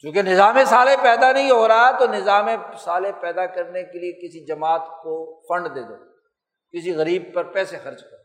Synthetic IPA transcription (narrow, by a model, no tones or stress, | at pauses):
t͡ʃjũːkenɪzaːmẽsaːlepɛːd̪anɐɦĩɦoːɾaɦat̪onɪzaːmẽsaːlepɛːd̪akɐɾnekeliekɪsid͡ʒɐmaːt̪kofɐ̃ɳɖd̪eːd̪oː | kɪsiɣɐɾiːb̚pɐɾpɛːsexɐɾd͡ʒkɐɾo